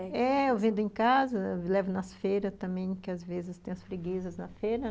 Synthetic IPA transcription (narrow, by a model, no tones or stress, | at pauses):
ɛewvẽnd̪ʊẽkazɐlɛvʊnɐsfeɾɐt̪ɐ̃mbẽj̃kɪazvezɪst̪ẽj̃ɐspɾeɡizɐznɐfeɾɐ